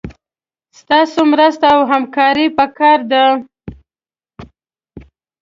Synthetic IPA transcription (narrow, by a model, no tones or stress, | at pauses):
st̪ɑsomɾəst̪awɦamkɑɾipəkɑɾd̪a